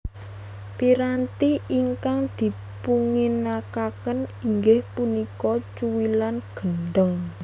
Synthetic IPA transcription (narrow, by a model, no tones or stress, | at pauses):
piɾant̪iiŋkaŋd̪̥i̤ | puŋɪnakakəniŋɡɪhpunikɔt͡ʃuwilanɡ̥ənɖ̪əŋ